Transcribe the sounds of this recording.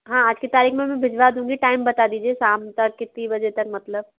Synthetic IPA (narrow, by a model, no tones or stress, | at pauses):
ɦãad͡ʑkit̪aːɾiːxmẽmĩbʱɪd͡ʒʋad̪ʱɦũŋɡiʈaimbət̪ad̪iːd͡ʒiesamt̪əkkːɪt̪ːibəd͡ʒet̪ək̚mət̪ləb̚